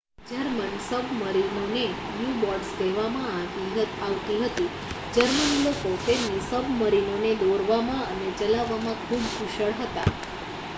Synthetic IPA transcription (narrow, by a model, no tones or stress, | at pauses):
d͡ʒəɾmənsəbməɾinone | njubɔɖsd̪eʋamããɡiaʋt̪iɦət̪i | d͡ʒəɾmənilokofeɾnisəbməɾinoned̪oɾʋamãənet͡ʃəlaʋːamãkʰubkʰuʃəɭɦət̪a̰